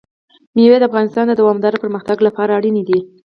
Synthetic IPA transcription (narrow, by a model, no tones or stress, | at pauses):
miwed̪əafɣɑnɪst̪ɑnd̪əd̪awɑmd̪ɑɾepəɾməxt̪aɡlapɑɾaːɽinid̪i